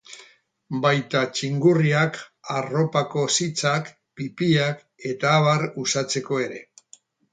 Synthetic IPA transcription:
bajt̪at͡ʃiŋɡuriakaro̞pako̞sit͡sak | pipiak | e̞t̪aːβarusat͡se̞ko̞e̞ɾe̞̰

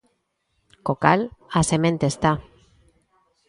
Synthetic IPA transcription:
koka̰lasemẽnt̪est̪a

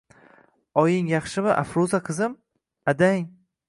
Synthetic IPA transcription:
ɒjɪŋjɑχʃɪmɪʔa̰fɾuzaqʰɨzɪm | ad̪aŋ

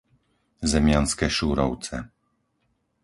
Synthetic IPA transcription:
zɛmʲjanskɛʃuɾɔwt̪sɛ

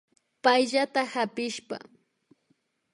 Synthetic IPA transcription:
pajʎat̪ahapɪʃpa̰

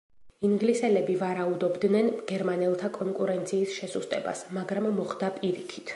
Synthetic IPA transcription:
iŋɡlisɛlɛbivaɾaud̪ɔbd̪nɛnɡ̥ɛɾmanɛlˠt̪ʰakʼɔŋkʼuɾɛnt̪sʰiːsʃɛsust̪ʼɛba̰smaɡɾamːɔχd̪apʼiɾikʰi̥t̪ʰ

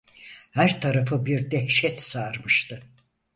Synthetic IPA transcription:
hæɾt̪ʰaɾafɯbiɾd̪ɛhʃɛt̪saɾmɯʃt̪ʰɯ

